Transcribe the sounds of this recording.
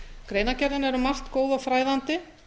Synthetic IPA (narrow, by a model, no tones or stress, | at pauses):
kɾeːjnacɛɾðɪnɛɾʏmar̥t̪koːwðafɾaːjðant̪ɪ